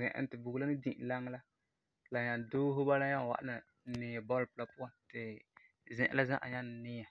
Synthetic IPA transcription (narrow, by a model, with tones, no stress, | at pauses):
zɛ̰̃˨ʔɪ̰˨n˦tɪ˨bu˨ɡla˦nɪ˦dĩ˨ʔla˦ŋ˦la˦ | la˨ɲa˨doː˦ɦʊ˦ba˦la˦ɲa˦˨wa̰˨ʔa̰˦na˨ | nɪ̃ː˨a˨bɔ˦lpla˦pʊ˦a˨ntɪ˨ | zɛ̃˨ʔɪ̰˨la˦zã̰˦ʔa̰˨ɲa˦n˨nɪ˦a˨